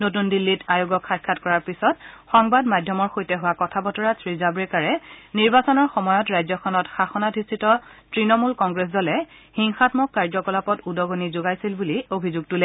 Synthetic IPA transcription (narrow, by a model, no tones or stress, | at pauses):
notundilːitajuɡɔkʰxajkʰːatkɔɹaɹpisɔtxɔŋbadmadʱjɔmɔɹxojtɛɦʊwakɔtʰabɔtɔɹasɹizabɹɛkaɹɛniɹbasɔnɔɹxɔmɔjɔtɹajzɔkʰɔnɔtxaxɔnadʱistʰitɔtɹinɔmulkɔŋɡɹes̬dɔlɛxiŋxatmɔkːaɹd͡ʒzɔkɔlapɔtudɔɡonizoɡajsilbuliobʱizuɡ̚tulɛ